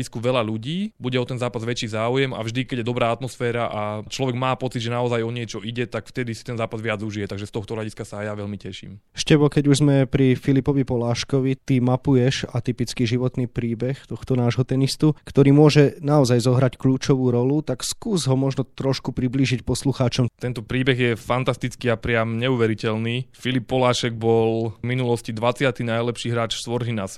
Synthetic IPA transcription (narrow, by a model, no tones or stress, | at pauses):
iskuʋɛlaʎuɟiːbuɟɛɔt̪ɛnzaːpazʋɛt͡ʃːiːzaːujɛma̰vʒd̪ikɛɟjɛd̪ɔbɾaːat̪mɔsfɛːɾaʔat͡ʃlɔʋɛɡmaːpɔt͡sid̪ʒɛnaɔzajɔɲɪɛt͡ʃɔʔiɟɛt̪akft̪ɛd̪isi̥t̪ɛnzaːpazʋɪad͡zuʒijɛt̪aɡʒɛst̪ɔxt̪ɔɦlaɟiskasajaʋɛlmicɛʃḭːm | ʃcɛbɔkɛɟuʒzmɛpɾifilipɔʋipɔlaːʃkɔʋit̪imapujɛʃat̪ipit͡skiʒiʋɔt̪niːpɾiːbɛxt̪ɔxt̪ɔnaːʒɦɔt̪ɛnist̪ukt̪ɔɾiːmʊɔʒɛnaɔzajzɔɦɾackʎuːt͡ʃɔʋuːɾɔlut̪akskuːzɦɔmɔʒnɔt̪ɾɔʃkupɾibliːʒicpɔsluxaːt͡ʃɔmt̪ɛnt̪ɔpɾiːbɛɣjɛfant̪ast̪it͡skiapɾɪamɲɛuʋɛɾicɛlniːfilipːɔlaːʃɛɡ̚bɔlminulɔscid̪ʋat͡sɪat̪inajlɛpʃiːɦɾaːt͡ʃsʋɔɾɦinas